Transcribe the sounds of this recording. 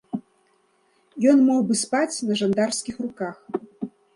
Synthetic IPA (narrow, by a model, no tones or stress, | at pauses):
jɔnmɔwbɨspat͡sʲnɐʐand̪arsʲkʲixrukax